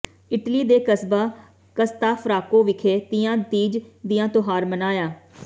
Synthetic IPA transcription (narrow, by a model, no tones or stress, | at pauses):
ɪʈliːd̪eːkəsbaː | kəst̪aːpʰəɾaːkõːʋɪkʰeːt̪ɪjãːd̪iːd͡ʒd̪ɪjãːt̪oɦaːɾmənaːjaː